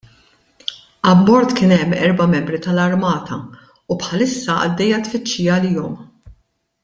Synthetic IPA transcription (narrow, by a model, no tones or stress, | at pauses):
ɐbːɔɾt̪kɪːnɛmːɛɾbɐmɛmbɾit̪ɐlɐɾmɐːt̪ɐ | upħɐlɪsːɐʔɐ̰d̪ːɛjːɐt̪fɪt͡ʃːijɐːliːɔm